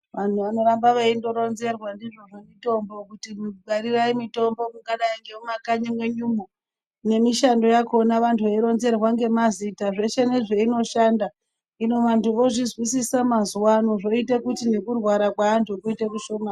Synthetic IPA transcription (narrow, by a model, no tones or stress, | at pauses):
ʋan̤uʋano̞ɾambaʋeindo̞ɾo̞nze̞rwandiʐo̞ʐomito̞mbo̞kutimuɓaɾiraimito̞mbo̞muɡaɗaiŋɡe̞mumakaɲamwe̞ɲuːmo | ne̞miʃando̞jakonaʋantʰueiɾo̞nze̞rwaŋɡe̞mazitaʐe̞ʃene̞ʐe̞ino̞ʃanda | ino̞ʋantʰuʋo̞ʐizwisisamazuwanoʐo̞itekutine̞kurwaɾakwaːntʰukuitekuʃo̞ma